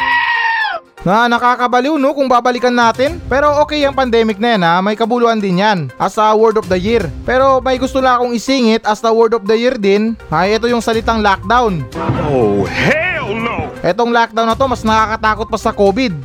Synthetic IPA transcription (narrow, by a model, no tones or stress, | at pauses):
nɐnɐkaːkɐbɐliwnokʊŋbaːbɐlɪkɐnːaːt̪ɪnpɛːɾo̞ʔoːkɛjɐŋpɐnd̪ɛːmɪk̚nɐjanamɐjkɐbuluːʔɐnd̪ɪnjanʔɐst̪ɐwɛɹd̪of̚d̪ɐjiɾpɛːɾo̞mɐjɡʊst̪olɐɐkoŋɪsiːŋɪt̪̚ʔɐst̪ɐwɛɾd̪of̚d̪ɐjiɾd̪ɪnʔɐjʔɛt̪o̞jʊŋsɐlɪt̪aŋlak̚d̪awnohɛ | ʔɛt̪o̞ŋlak̚d̪awnːɐt̪o̞mɐsnɐkaːkɐt̪aːko̞t̪̚pɐsɐko̞ːbɪd̪̚